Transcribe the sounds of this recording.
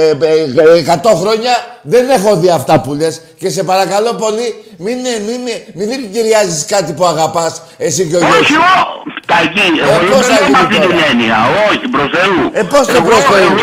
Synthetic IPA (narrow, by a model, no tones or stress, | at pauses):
ekɐt̪o̞xɾo̞ɲɐðe̞ne̞xo̞ðiɐft̪ɐpulesce̞s̬e̞pɐɾɐkɐlo̞po̞li | minmimiðenciɾiɐziskɐt̪ipuɐɣɐpɐs | e̞siceooiot̪ɐcieposɐimɐt̪it̪ineniɐ̰oçipɾosθeuepo̞st̪epɾoseɾu